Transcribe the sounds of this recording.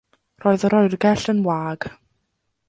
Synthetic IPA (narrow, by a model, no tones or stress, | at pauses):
roːɨðɔɾɔːɨrɡɛɬənwaːɡ̥